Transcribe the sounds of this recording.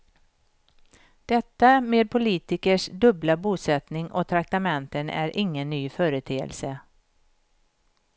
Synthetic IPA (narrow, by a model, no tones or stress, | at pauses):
d̪̥ɛt̪ːameːd̪̚pʰʊliːt̪ɪkəʂd̪ɵblabuːsɛt̪nɪŋʔɔ̰t̪ʰɾak̚t̪amɛnt̪ənæ̰ɾʔɪŋːənːyːfœːɾət̪ʰeːə̰lsə